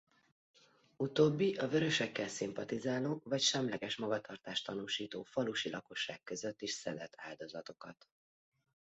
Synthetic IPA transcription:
ut̪oːbːiʔɒvøɾø̞ʃɛkːɛlsimpɒt̪izaːloːvɒcʃɛmlɛɡɛʃmɒɡɒt̪ʰɒrt̪aːʃt̪ɒnuːʃiːt̪oːfɒluʃilʔɒko̞ʃːa̰ːkkːø̞zø̞t̪ːiʃsɛ̰lɛt̪ʰaːld̪o̞zɒt̪o̞kɒt̪

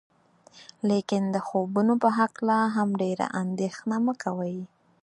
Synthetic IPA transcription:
lekɪnd̪əxobunopəɦaklaɦamɖeɾa̰ʔand̪exnaməkawəj

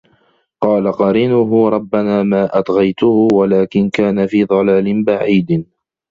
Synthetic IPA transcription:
qɑːlaqɑɾiːnʊɦʊɾˤɑbːanaːmaːʔat̪ɣɑjt̪ʊhʊwalaːkɪnkaːnafiːd̪ˤɑlaːlɪnbaʕiːd̪

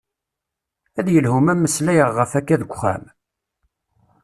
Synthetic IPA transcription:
æðjəlhumæmːəslæjəʁːəfækːæðəɡʷχæ̰m

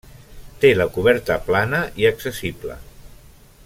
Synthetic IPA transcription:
t̪eləkuβ̞ɛɾt̪əplanəʔiəksəsiblə̰

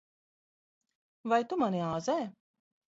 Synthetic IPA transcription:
vajt̪umaniaːzɛː

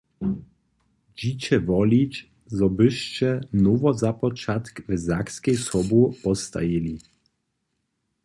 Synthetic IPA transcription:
d͡ʑit͡ɕɛvɔlʲit͡ɕ | zɔbɘʃt͡ɕɛnuvɔzapɔt͡ʃat̪kvɛzakskʲɛjsɔbupɔst̪a̰jilʲi

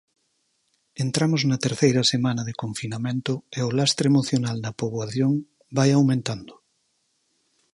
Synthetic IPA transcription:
ent̪ɾamoznat̪eɾθejɾasemanaðekoɱfinamẽnt̪oeolast̪ɾeemoθjonalnapoβwaθjoŋ | bajawmẽnt̪and̪o

